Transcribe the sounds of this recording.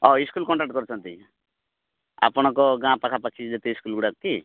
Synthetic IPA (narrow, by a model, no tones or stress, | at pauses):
ɔiskulkɔɳʈak̚ʈkɔɾut͡ʃʰɔnt̪i | a̰pɔɽ̃ɔkɔɡãpakʰapakʰid̪et̪eiskulɡuɽakki